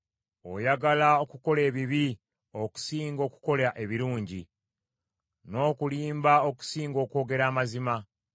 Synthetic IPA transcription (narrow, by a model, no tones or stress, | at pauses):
o̞̰jaɡalaokuko̞le̞ːβiβi | o̞ku̥siːŋɡo̞ːku̥ko̞laʔe̞βiɾuːɲɟi | no̞ːkuliːmbao̞ku̥siːŋɡo̞ːko̞ːɡe̞ɾaːmazima